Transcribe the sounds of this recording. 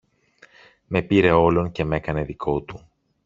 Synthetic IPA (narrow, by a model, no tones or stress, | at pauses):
me̞piɾe̞o̞lo̞nce̞me̞kɐne̞ðikʰo̞t̪u